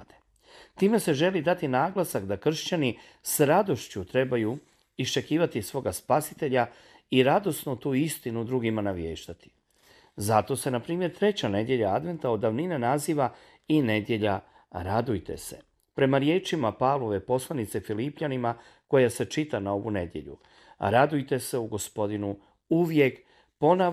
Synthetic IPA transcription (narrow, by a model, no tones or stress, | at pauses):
d̪e | t̪iːme̞se̞ʒe̞lid̪at̪inaːɡlasakd̪akr̩ʃt͡ɕani | sɾad̪o̞ʃt͡ɕut̪ɾe̞baju | ist͡ʃe̞kiːʋat̪isʋo̞ːɡaspasi̥t̪e̞ʎa | iɾad̪o̞snut̪uːist̪inud̪ɾuɡimanaʋjeːʃt̪at̪i̥ | zat̪o̞se̞napɾiːmje̞ɾt̪ɾe̞t͡ɕane̞d̪je̞ʎaad̪ʋe̞nt̪ao̞d̪ːaʋninenaziːʋa | ine̞d̪je̞ʎa | ɾad̪ujt̪e̞̰se̞ | pɾe̞maɾje̞ːt͡ʃimapavlo̞ʋe̞po̞slˠanit̪se̞filipʎanima | ko̞jase̞t͡ʃit̪anao̞ʋṵne̞d̪je̞̰ʎṵ | ɾad̪ujt̪e̞se̞uɡo̞spo̞d̪inu | uʋje̞k | po̞na